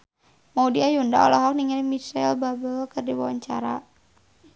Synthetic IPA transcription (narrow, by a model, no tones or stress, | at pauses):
maudiajunda̰ɔ̰lɔɦɔk̚niŋalimisɛlbabəlkɨrdiwawaɲt͡ʃa̰ɾa